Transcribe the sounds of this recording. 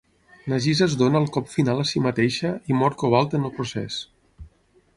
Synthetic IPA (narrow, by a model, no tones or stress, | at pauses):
nəʒizəzd̪onəːlˠkɔpfinaləsimət̪eʃəimɔɾkoβ̞alˠt̪ənəlˠpɾusɛ̰s